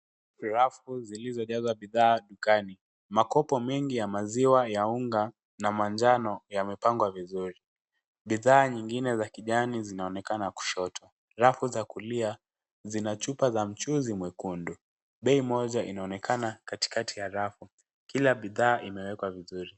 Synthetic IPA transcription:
ɾafuzilizɔʄazwaɓiðaːɗukani | makɔpɔmɛŋɡijamaziwajauŋɡa | namaɲd͡ʒanɔjamɛpaŋɡwavizuɾi | ɓiðaːɲiŋɡinɛzakiʄanizinaɔnɛkanaku̥ʃɔtʰa | ɾafuzakulia | zinat͡ʃupazam̩t͡ʃuzimwɛkundu | ɓɛimɔʄaʔinaɔnɛkanakati̥katʰijaɾafu | kilaɓiðaːʔimɛwɛkwavizuɾi

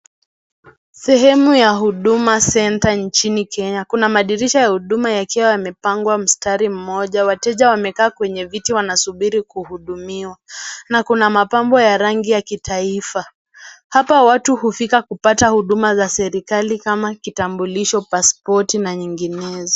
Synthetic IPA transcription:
sɛɦɛmujaɦuɗumasɛntant͡ʃinikʰɛɲakunamaɗiɾiʃajahuɗumajakiwajamɛpaŋɡwam̩staɾim̩mɔʄawatɛʄawamɛkaːkwɛɲɛvitiwanasuɓiɾikuhuɗumiwanakunamapambɔjaɾaŋɡijakitʰaifa | hapawatuhufikakupatahuɗumazasɛɾikalikamakitambuliʃɔpaspɔtinaɲiŋɡinɛzɔ

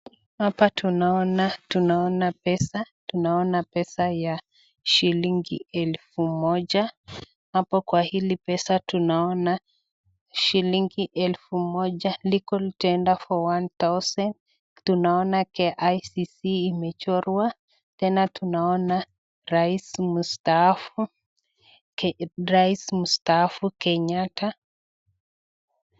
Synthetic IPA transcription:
hapatunaɔnatunaɔnapɛsa | tunaɔnapɛsaja | ʃiliŋɡiɛlfumɔʄa | hapɔkwahilipɛsatunaɔna | ʃiliŋɡiʔɛlfumɔʄalikɔlitɛndafɔwantasɔn | tunaɔnakɛʔajsisiːmɛt͡ʃɔɾwa | tɛnatunaɔna | ɾaismustafu | ɾaismustaafukɛɲata

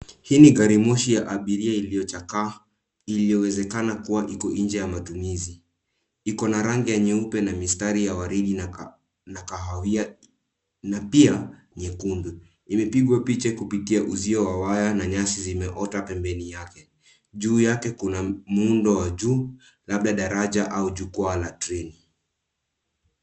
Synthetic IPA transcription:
hiːniɡaɾimɔʃijaʔaɓiɾiailijɔt͡ʃaka | ilijɔwɛzɛkanakuwaʔikɔʔind͡ʒɛjamatumizi | ikɔnaɾaŋɡijaɲɛupɛnamistaɾijawaɾiɗin | nakaɦawia | napia | ɲɛkundu | imɛpiɠwapit͡ʃɛkupitiaʔuziɔwawajanaɲasizimɛʔɔtapɛmbɛnijakɛ | ʄuːjakɛkunam̩undɔwaʄuː | laɓ̚ɗaɗaɾaʄaʔauʄukwalatɾɛni

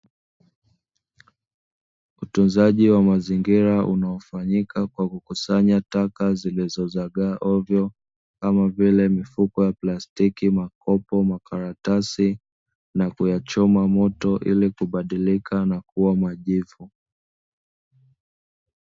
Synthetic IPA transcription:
utunzaʄiwamaziŋɡiɾaʔṵnaɔfaɲikʰakwakukusaɲatakazilizɔzaɠaʔɔvjɔ | kamavilɛmifukɔjaplastikimakɔpɔmakaɾatasi | nakujat͡ʃɔmamɔtɔʔilikuɓaɗilikʰanakuwamaʄivu

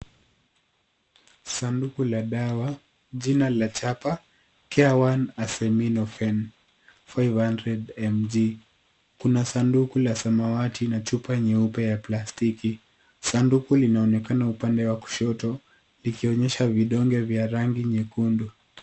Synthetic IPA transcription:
sandukulaɗawa | ʄinalat͡ʃapa | kɛawanasɛminɔfɛn | fajvhandɾɛdɛmd͡ʒi | kunasandukulasamawatʰinat͡ʃupaɛɲɛupɛjaplastiki | sandukulinaɔnɛkanaupandɛwaku̥ʃɔtɔ | likiɔɲɛʃaviɗɔŋɡɛvjaɾaŋɡiɲɛkundu

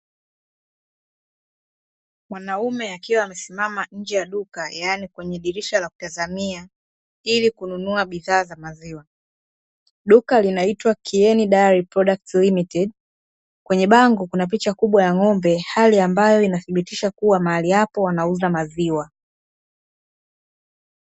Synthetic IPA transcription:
mwanaumɛakiwaːmɛsimamaɲ̩d͡ʒɛjaɗukajanikwɛɲɛɗiɾiʃalaku̥tazamia | ilikununuaɓiðaːzamaziwa | ɗukalinaitwakʰiɛniɗaaɾipɾɔɗak̚tlimitɛɗ | kwɛɲɛɓaŋɡukunap̬it͡ʃakuɓwajaŋɔmbɛhaliambajɔinaθiɓitiʃakuwamaalijapɔwanauzamaziwa

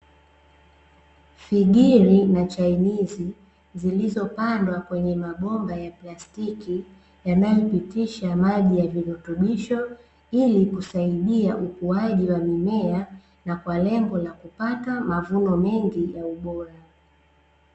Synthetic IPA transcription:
fiɡiɾinat͡ʃainizi | zilizɔpandwakwɛɲɛmaɓɔmbajaplastiki | janajɔpitiʃamaʄijaviɾɔtuɓiʃɔ | ilikusaiɗiaʔukuaʄiwamimɛa | nakwalɛŋɡɔlakupatamavunɔmɛŋɡijauɓɔɾa

